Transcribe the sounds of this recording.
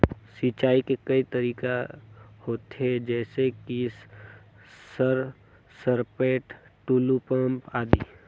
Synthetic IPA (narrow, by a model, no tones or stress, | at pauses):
siːt͡ʃaːikekɐit̪əɾiːkahoːt̪ɦed͡ʒɛːsekis | əɾ | səɾpeːʈʈuːlupə̃mpaːd̪iː